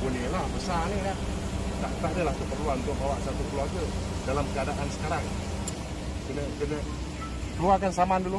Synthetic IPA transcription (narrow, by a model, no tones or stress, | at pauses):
unilahbəsanela | t̪a̰ʔt̪aʔdəlahkəpərluant̪ʊʔbawaʔsat̪ukəluarɡədalamkəadaʔansə̥kaɾaŋ | kənəkənə | k̪uakansamandulu